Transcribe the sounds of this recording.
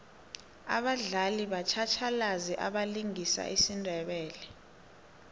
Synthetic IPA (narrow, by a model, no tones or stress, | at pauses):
a̰ɓaɮaliɓat͡ʃʰat͡ʃʰalaziʔaɓaliŋʱisa̰ʔisindʱɛɓɛːlɛ